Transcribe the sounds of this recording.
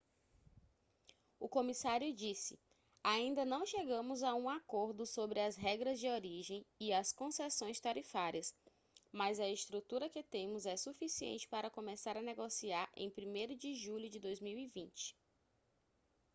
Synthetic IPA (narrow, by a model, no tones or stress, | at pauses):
ʊkõmisaɾjʊd͡ʒisɪ | aĩnd̪ɐnɐ̃w̃ʃeɡɐ̃mʊzaũakoɾd̪ʊsobɾɪɐzɦɛɡɾɐzd͡ʒɪoɾiʒẽj̃iɐskõsɛsõj̃st̪aɾifaɾiɐs | mɐzɐɪst̪ɾut̪uɾɐkɪt̪ẽmʊzɛsufisiḛ̃nt͡ʃɪ̥paɾɐkõmesaɾɐneɡosiaɾḛ̃j̃pɾimejɾʊd͡ʒɪʒuʎʊd͡ʒɪd̪ojzmiwivĩnt͡ʃɪ̥